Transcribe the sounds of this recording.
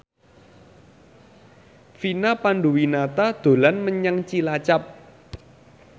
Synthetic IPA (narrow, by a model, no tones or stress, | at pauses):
finapanɖuwinat̪ad̪̥o̤lanməɲaŋt͡ʃilat͡ʃap̚